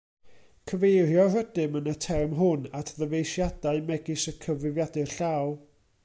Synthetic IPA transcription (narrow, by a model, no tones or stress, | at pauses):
kʰəvejrjɔrədɨmənətʰɛrmɦʊnatʰðəvejʃjadaɨmɛɡɨsəkʰəvɪvjadɨɬaw